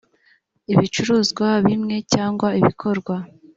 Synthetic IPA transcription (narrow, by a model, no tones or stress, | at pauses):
iβit͡ʃuɾuːzɡwaβimŋe̞caːŋɡwaiβikʰo̞ɾɡwa